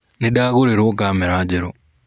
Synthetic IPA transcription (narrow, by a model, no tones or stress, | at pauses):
nidaɣuɾeɾokaːmeɾaːd͡ʒeɾo